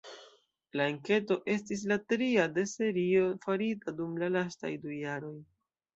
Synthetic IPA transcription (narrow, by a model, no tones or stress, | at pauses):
laeŋke̞to̞ʔe̞stis̬latɾiade̞se̞ɾio̞faɾitadumlalasta̰jdujaɾo̞j